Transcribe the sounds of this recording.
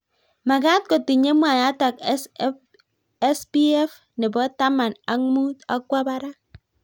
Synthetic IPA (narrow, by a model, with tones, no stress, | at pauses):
ma˨ɡa˦t̚ko˨ti˨ɲe˦mʷ˦a˨ja˦ta˨k | e˦sbi˦e˦f | ne˨bo˦ta˦ma˨na˨mu˦ta̰˦kʷa˦ba˦ɾa˦